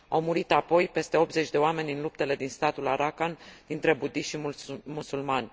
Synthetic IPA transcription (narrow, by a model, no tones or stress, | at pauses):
awmuɾit̪apo̞jpe̞st̪e̞o̞p̪̚ze̞t͡ʃʲd̪e̞oame̞nʲɨnlup̚t̪e̞le̞d̪inst̪at̪ulaɾakand̪int̪ɾe̞bud̪iʃimusulmanʲ